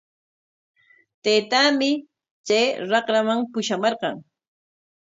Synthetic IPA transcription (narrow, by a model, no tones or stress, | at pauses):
t̪ejt̪aːmɪ | t͡ʃajɾɑqɾamaŋpʊʃamɑɾqɑŋ